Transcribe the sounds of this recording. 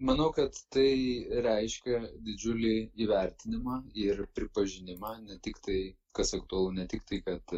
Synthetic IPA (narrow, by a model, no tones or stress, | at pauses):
mɐnɐʊkɐt̪ːɐɪɾʲɛɪʃʲkʲɛd̪ʲɪd͡ʒʲʊlʲɪiːʋʲɛɾʲt̪ʲɪnʲɪmɑːɪrpʲɾʲɪpɐʒʲɪnʲɪmɑːnʲɛt̪ʲɪkt̪ɐɪkɐsɐkt̪ʊɐlˠʊnʲɛt̪ʲɪkt̪ɐɪkɐt̪